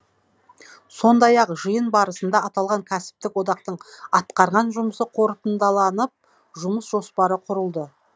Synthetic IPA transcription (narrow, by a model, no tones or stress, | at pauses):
so̞nd̪ɑjɑqʒəjənbɑɾəsənd̪ɑɑt̪ɑlˠʁɑŋkʲʰæsɪ̥p̚t̪ɪkwo̞d̪ɑqt̪əɴɑt̪qɑɾʁɑnʒʊməsəqʰo̞ɾt̪ənd̪ɑlˠɑnəp̚ | ʒʊməsʒo̞spɑɾəqʰʊɾəlˠd̪ə